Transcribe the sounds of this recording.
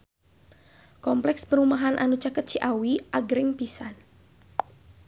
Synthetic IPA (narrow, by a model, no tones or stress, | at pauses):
kɔmplɛkspəɾumaɦanʔa̰nut͡ʃakət̪̚t͡ʃiʔawiʔaɡɾɪŋpisan